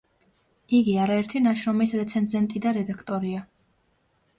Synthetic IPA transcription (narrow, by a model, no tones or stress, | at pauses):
iɡiaɾaɛɾt̪ʰinaʃɾɔmisɾɛt̪sʰɛnzɛnt̪ʼid̪aɾɛd̪akʰt̪ʼɔɾia